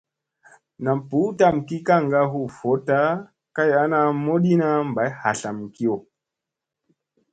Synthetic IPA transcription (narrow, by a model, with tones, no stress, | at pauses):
na˨m˨pu˨˦ta˦˨m̩˨ki˦ka˦˨ŋɡa˦ɦu˦fo˨˦ta˦ | ka˦ja˦na˦mo˦ɗi˦na˦m˨ba˨jha˨ɬa˨m̩˨ki˦ɔ˨